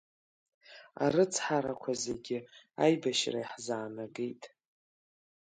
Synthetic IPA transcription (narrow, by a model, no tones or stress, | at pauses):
a̰ɾɨt͡sʰħaɾakʷʰazeɡʲɪajbaʃra̰iħzaːnaɡejtʼ